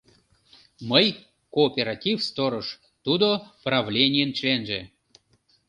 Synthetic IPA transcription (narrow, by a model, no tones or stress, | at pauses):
məj | koːpʲeɾatʲifst̪oɾoʃ | t̪ud̪opravlʲenʲijənt͡ɕlʲenʒḛ